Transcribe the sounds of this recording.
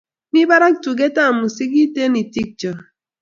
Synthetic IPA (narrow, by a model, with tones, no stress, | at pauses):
ni˦ba˦ɾa˦k̚tu˨ɡe˦ta˦˨mu˨si˦k̬i˦te˦ni˨ti˦k̚d͡ʒɔ˨